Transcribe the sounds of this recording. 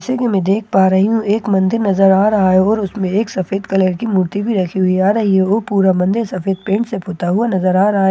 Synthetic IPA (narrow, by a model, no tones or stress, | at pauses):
sekemẽd̪eːk̚ʰpaːɾɐɦiɦũeːkmɐ̃nd̪ɪɾnɐzəɾaːɾɐɦaɦeɔːɾʊsmẽeːksɐfeːd̪kɐləɾkimuɾt̪ibʱiɾɐkʰiɦʊiaːɾɐɦiɦɛoːpuːɾamɐ̃nd̪ɪɾsɐfeːd̪̚pẽːɳʈsepʰʊːt̪aɦʊanɐzəɾaːɾɐɦa